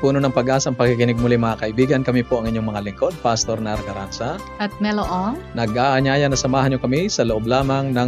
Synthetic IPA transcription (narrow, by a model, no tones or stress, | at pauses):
puːnonɐŋpɐɡʔaːsɐʔŋpɐɡ̚kɪkɪnɪɡ̚mʊlɪmɐŋakɐʔɪbiːɡɐnkɐmipoʔɐŋʔɪɲːoŋmɐŋalɪŋko̞d̪̚past̪oɾnɐʔɾkɐɾa̰nsɐ | ʔɐt̪̚mɛloʔoŋnɐɡʔaʔɐɲaːjɐnɐsɐmaːhɐnɲokɐmisɐloʔob̚laːmɐŋnɐŋ